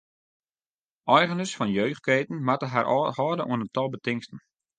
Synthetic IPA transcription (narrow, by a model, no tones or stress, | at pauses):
ʔɔjɣənəsfɔnjøːχ̚keːtən̩matəɦarʔɔhɔːdəʔṵənəntɔlˠbətɪŋstən̩